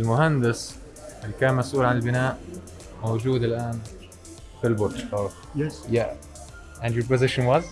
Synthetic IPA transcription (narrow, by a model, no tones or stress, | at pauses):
ɪlmʊhand̪ɪs | ʔɪlːkaːnmasʔuːlʕanɪlbɪnaːʔ | mowd͡ʒuːd̪ɪlʔaːn | fɪlbʊt̪ʃ | ja | ʔæ̃ndjopʊzɪʃɪnwaz